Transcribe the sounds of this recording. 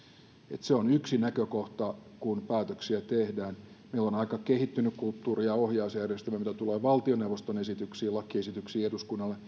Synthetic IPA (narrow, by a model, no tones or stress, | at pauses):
ḛt̪seonyksinækøkoht̪ɑkunpæːt̪øksiæt̪ehdæːn | meilːonɑikɑkehit̪ːynykkult̪ːuːriɑohjɑusjærjest̪æmæmit̪æt̪uleːʋɑlt̪ioneuʋˑost̪onesit̪yksiːlɑkːiesit̪yksiːeduskunːɑlːe